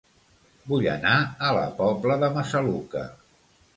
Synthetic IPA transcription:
buʎə̰naələ̰pɔbləðəməsəlukə̰

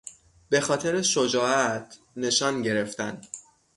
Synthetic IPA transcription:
b̥e̞xɒːt̪ʰe̞ɾeʃod͡ʒɒːæt̪ʰ | ne̞ʃɒːnɟe̞ɾe̞ft̪æn

